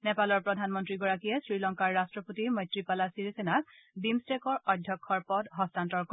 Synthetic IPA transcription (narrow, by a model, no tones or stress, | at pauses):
nɛpalɔɹpɹɔdʱanmɔntɹiɡɔɹakijɛsɹilɔŋkaɹːastɹɔpotimɔjtɹipalasiɹisenas | bimstekɔɹɔdʱjɔkʰːɔɹpɔdɦɔstantɔɹk